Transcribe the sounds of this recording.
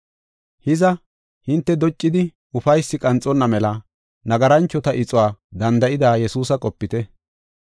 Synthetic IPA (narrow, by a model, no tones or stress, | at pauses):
hɪzɐ | hɪnt̪ːɛd̪ɔt͡ʃʼːɪd̪ɪ | ʊfɐjsːɪkʼɐnt͡sʼɔnːɐmɛlɐ | nɐɡɐɾɐnt͡ʃːɔt̪ɐʔɪt͡sʼʊwaːd̪ɐnd̪ɐʔɪd̪aːjɛsuːsɐkʼɔpːɪt̪ɛ